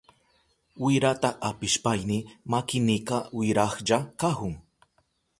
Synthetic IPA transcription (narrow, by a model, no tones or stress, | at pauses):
wɪɾat̪aʔapɪʃpajnɪmakɪnɪkawɪɾaχʎakahʊŋ